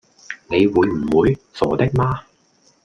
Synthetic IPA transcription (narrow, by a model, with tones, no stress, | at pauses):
ne˨˧jwuː˨˧jm̩˨˩wuː˨˧jsɔː˨˩t̪ɪ˥k̚maː˥